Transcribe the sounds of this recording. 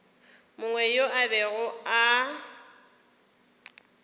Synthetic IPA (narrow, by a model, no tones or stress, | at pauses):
mʊŋwɛjoʔabɛɣʊa